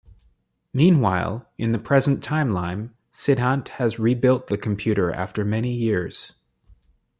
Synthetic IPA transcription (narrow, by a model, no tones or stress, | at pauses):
mĩnwaɪlˠʔɨ̃nðɨpʰɹ̥ɛz̃n̩tʰãɪ̃mlãɪ̃m | sɪd̚ɦɑ̃nthɨzɹibɪlˠt̪̚ðɨkʰm̩pʰj̥ʉɾə˞ʔæ̰ftə˞mɛnijɪɹz̥